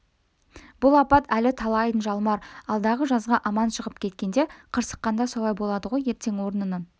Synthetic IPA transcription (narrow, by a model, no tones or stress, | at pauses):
b̥ʊlˠɑpɑt̪ælɪt̪ʰɑlˠɑj̪ənʒɑlˠmɑɾɑlˠd̪ɑʁəʒɑzʁɑʔɑmɑnʃəʁəp̚kʲʰe̞t̪kʲe̞nd̪e̞qʰəɾsə̥qːɑnd̪ɑso̞lˠɑjbo̞lˠɑd̪əʁo̞je̞ɾt̪ʰe̞ŋwo̞ɾənənə